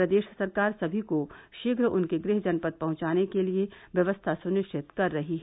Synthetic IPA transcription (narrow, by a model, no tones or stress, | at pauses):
ɾɐd̪eːʃsɐɾkaːɾsɐbʱikoʃɪɡɾʊnkeɡɾɪɦd͡ʒɐnpət̪̚pɐɦʊ̃t͡ʃaːnekelieʋjɐʋəst̪ʰasʊnɪʃt͡ʃʰɪt̪kɐɾːɐɦiɦɛ